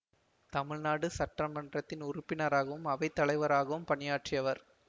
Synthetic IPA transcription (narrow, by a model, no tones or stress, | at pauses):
t̪ɐmɪɻnaːɽɯsɐʈrɐmːɐndrɐt̪ːɪnʊrʊpːɪnɐɾaːɣɐʋɯmɐʋɐɪt̪ːɐɭɐɪʋɐɾaːɣɐʋɯmpɐɳɪjaːʈrɪjɐʋɐɾ